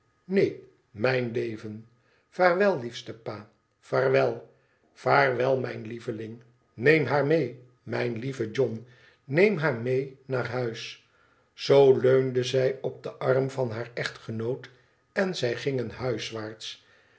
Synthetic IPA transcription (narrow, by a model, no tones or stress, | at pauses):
nej | mɛjnlejvən | faːrʋɛlˠlifstəpaː | faːɹʋɛlˠ | v̥aːrʋɛlˠmɛjnlivəlɪŋ | nejmɦaːɹmej | mɛjnlivəd͡ʒɔn | nejmɦaːɹmejnaːrɦœɥs | z̥owløɥndəzɛjɔb̚dəʔɑrmvɑnɦaːɹɛχtχənowt | ɛnzɛjχɪŋənɦœɥsʋaːɹts